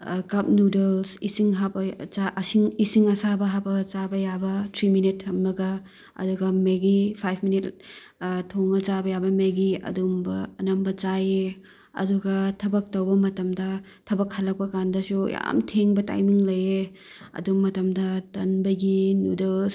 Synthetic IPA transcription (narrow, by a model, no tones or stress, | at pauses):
kɐp̚nudelsisiŋɦabɐasiŋisiŋɐsabɐɦabɐt͡ʃabɐjabɐtʰɾiminithɐmnɐɡɐ | ɐ̰duɡɐmeɡipʰajpʰminit | tʰːoŋɐt͡ʃabɐjabɐmeɡiɐ̰dumbɐːnɐmbɐt͡ʃaje | ɐ̰duɡɐtʰɐbɐk̚tɐwbɐmɐtɐmdɐ | tʰɐbɐkhɐlɐk̚pɐkandɐsṵja̰mtʰeŋbɐta̰jmiŋlɐje | ɐ̰dumɐtɐmdɐtɐnbɐɡinudels